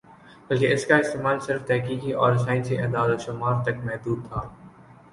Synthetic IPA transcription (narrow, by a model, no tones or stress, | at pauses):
bɐlkeɪskaɪst̪eːmaːlsɪɾft̪ɛɦkiːkiʔɔːɾɐsaːɪnsiʔɐ̃d̪aːlaʃʊmaːɾt̪ɐkmɛɦd̪uːd̪̚t̪ʰaː